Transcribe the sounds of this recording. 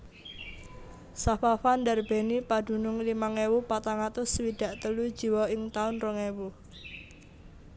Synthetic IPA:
safafandarb̥e̤nipad̥ṳnʊŋlimaŋewupat̪aŋat̪ʊswid̪̥a̤ʔt̪əlud̥ʒ̥i̤wɔɪŋt̪aʊnrɔŋewu

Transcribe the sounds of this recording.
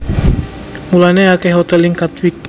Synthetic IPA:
mulaneakɛhɦot̪ɛlɪŋkat̪wik̚p

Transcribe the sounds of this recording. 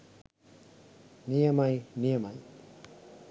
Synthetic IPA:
nijəmajnijəmaj

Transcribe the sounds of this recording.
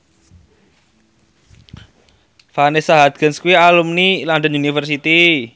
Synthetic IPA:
fanesaɦat̪̚ɡ̥ə̤nskuwialumnilanɖ̪ənunifərsit̪i

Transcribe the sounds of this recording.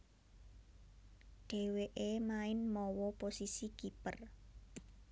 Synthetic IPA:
ɖ̥e̤weʔemaɪnmɔwɔposisikipər

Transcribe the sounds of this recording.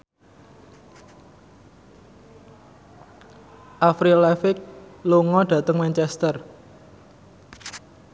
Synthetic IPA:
ʔafɾilɛfɪk̚loŋɔɖ̥ä̤t̪əŋmɛnt͡ʃɛst̪ər

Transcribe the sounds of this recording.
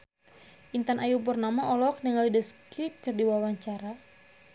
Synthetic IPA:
ʔint̪anʔajup̬ʊrnamaʔɔlɔk̚niŋalidəskɾip̚kɨrdiwawaɲt͡ʃaɾa

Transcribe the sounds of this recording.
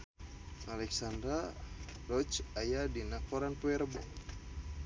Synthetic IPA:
ʔalɛksandɾarɔt͡ʃajadinakɔɾanpuɛɾbɔ̰

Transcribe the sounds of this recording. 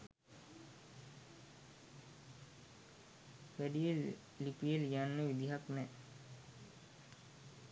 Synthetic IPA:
ʋæɖijelː | ipijeljanːəʋid̪iɦaknɛ

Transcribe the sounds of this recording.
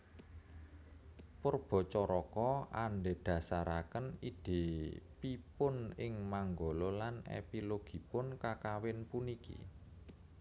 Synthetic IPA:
pərb̥ɔ̤t͡ʃɔɾɔkɔaɳɖeɖ̥ä̤saɾakənid̥e̤pipʊnɪŋmaŋɡololanḛpiloɡ̥i̤pʊnkakawɪnpunikḭ

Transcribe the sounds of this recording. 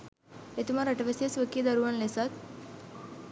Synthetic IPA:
et̪imaɾəʈɐʋesesʋəkːid̪ɐɾuʋanlesat̪̚

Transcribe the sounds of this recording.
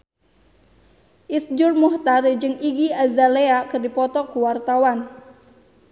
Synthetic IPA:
ʔisd͡ʒʊrmuht̪aɾid͡ʒɨŋiɡiazaleakɨrdipɔt̪ɔkuwart̪awan

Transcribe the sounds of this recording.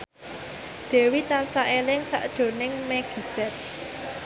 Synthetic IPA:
d̪̥e̤wit̪ansaʔelɪŋsa̰ʔdd̪̥o̤nɪŋmeɡ̥i̤sɛt̪̚

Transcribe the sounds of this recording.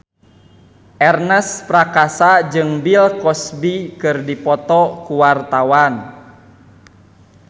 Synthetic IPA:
ʔɛrnɛspɾakasad͡ʒɨŋbilkɔsbikɨrdipɔt̪ɔkuwart̪awan

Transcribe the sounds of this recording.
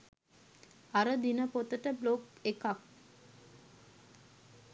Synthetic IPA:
aɾəd̪inəpot̪əʈəblokekak̚

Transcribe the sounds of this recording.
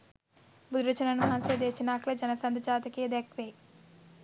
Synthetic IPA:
bud̪ɾɐt͡ʃɐnɐnumɐɦɐnsed̪eːt͡ʃinaːklɐd͡ʒɐnɐsɐnd̪t͡ʃaːt̪ɐkeːd̪ekʋeː

